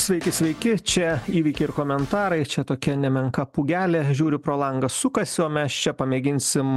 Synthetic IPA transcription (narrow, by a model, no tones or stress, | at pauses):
sʲʋʲɛɪkʲɪsʲʋʲɛɪkʲɪt͡ʃʲɛiːʋʲiːkʲɛɪɪɾkoːmʲɛnt̪ɑːɾɐɪt͡ʃʲɛt̪oːkʲɛnʲɛmʲɛŋkɐpuːɡʲæːlʲɛʒʲuːɾʲɪpɾoːlˠɐŋɡɐssʊkɐsʲɪoːmʲɛst͡ʃʲɛpɐmʲeːɡʲɪnʲsʲɪm